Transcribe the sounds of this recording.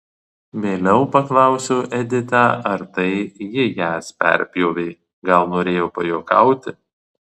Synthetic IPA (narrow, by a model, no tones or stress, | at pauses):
ʋʲeːlʲɛʊpɐklˠɐˑʊsʲoːʔɛd̪ʲɪt̪ɑːʔɐɾt̪ɐɪjɪjæːspʲɛ̰ɾʲpʲjoːʋʲeɪ | ɡɐlˠnoːɾʲeːjoːpɐjoːkɐˑʊt̪ʲɪ